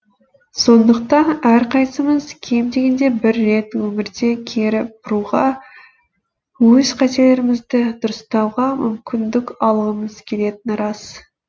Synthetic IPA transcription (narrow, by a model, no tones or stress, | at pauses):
so̞nd̪əq̚t̪ɑnæɾqʰɑjsəməzkʲʰe̞md̪e̞ɡʲe̞nd̪e̞bɪɾːe̞t̪wɵmɪɾd̪e̞kʲʰeɾɪp̚b̥ʊɾuʁɑ | wɵzqʰæt̪e̞le̞ɾɪmɪzd̪ɪd̪ʊɾəst̪ɑwʁɑmʏ̰mkʲɪnd̪ɪkɑlˠəʁəməz̥kʲʰe̞le̞t̪ɪnɾɑs